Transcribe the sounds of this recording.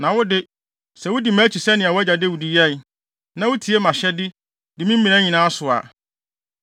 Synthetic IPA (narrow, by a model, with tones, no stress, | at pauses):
nã˨wʊ˦dɪ˦ | sɛ˨wʊ˦di˨mãː˦t͡ɕʰi˨sɛ˦nɪ̃˨a˨wʊ˦æ˦d͡ʑa˨dɪ˦wʊ˨di˨jɛ˦˨n | nã˨wʊ˦tʰi˨ɛ˦mã˨ɕɛ˦dɪ˦ | dɪ˨mĩ˦m̩˦mĩ˨nã˦ɲĩ˨nãː˦sʊ˨a̰˨